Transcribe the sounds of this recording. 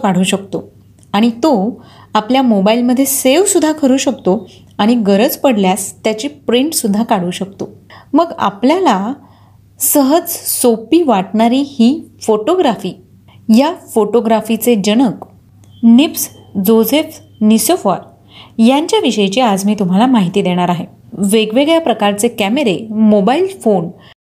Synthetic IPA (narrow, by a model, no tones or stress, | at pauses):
kaɽ̤uːɕəkt̪o | aɽ̃it̪oapljamobailməd̪ʱːjeseʋsud̪ʱːakʰəɾuːɕək̚t̪o | aɽ̃iɡəɾəd͡zpəɽljast̪jat͡ɕipɾiɳʈsud̪ʱːakaɽ̤uːɕək̚t̪oməɡa̰pljala | səɦəd͡zsopiːʋaʈɳaɾiːhiːfoʈoɡɾafiː | jafoʈoɡɾafit͡sed͡ʑəɽ̃ək | nips | d͡zod͡zef | nisofaɾ | jaɲt͡ɕjaʋiɕəjt͡ɕiːad͡zmiːt̪um̤alamaɦit̪iːd̪eɽ̃aɾaɦe | ʋeɡʋeɡɭjapɾəkaɾt͡sekæmeɾemobailfon